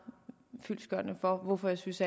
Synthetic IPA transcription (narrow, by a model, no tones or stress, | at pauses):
fyl̰sɡ̥ɶɐ̰nəfɒ̽ʋɔfɒ̽jɑ̈ɪsynsæ